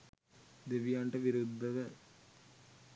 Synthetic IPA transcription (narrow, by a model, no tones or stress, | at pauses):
d̪eʋjaːɳʈɐʋiɾɯd̪ːɐʋɐ